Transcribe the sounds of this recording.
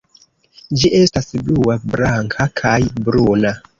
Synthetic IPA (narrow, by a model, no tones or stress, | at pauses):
d͡ʒiʔe̞stasbluabɾaŋkʰakʰajbɾuna